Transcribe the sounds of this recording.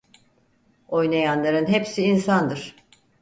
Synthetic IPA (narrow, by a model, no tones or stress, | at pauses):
o̞jnajanlˠaɾɯnɦepsiːnsand̪ɯɾ̥